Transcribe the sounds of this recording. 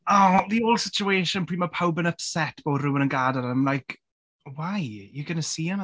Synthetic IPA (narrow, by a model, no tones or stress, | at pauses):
ɔðioːlˠsɪt͡ʃueːʃənpʰr̥iːmapʰawbənəpsɛtʰb̥oːdrɪwənənɡaːdaɾəamlajkʰ | wajjəɡənəsiːən